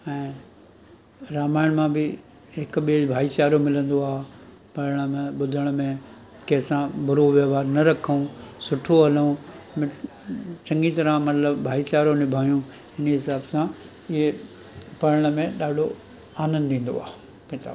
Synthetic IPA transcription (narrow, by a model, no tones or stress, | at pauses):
ɛ̃ː | ɾaːmaːɪɽ̃mãbɪ | ɦɪkɓilbʱaːit͡ɕaːɾomɪlə̃nd̪oaːɦ | pɐɾəɽ̃ə̆mẽɓʊd̪ʱəɽ̃mẽ | kɐːsãbʱʊɾoʋjɐːʋaːɾnɐɾɐkʰũsʊʈʰoɐlũ | m̃ | t͡ɕɐ̃ŋɡit̪ɐɾamɐt̪ləbbʱaːit͡ɕaːɾonɪbʱaːijũ | ɪnɦɪsaːbsã | ɪɦe | pɐɾəɽ̃əmẽɗaːɖʱo | aːnə̃nd̪ĩːn̆d̪o̰a̰ːɦ | kɪt̪a̰ːb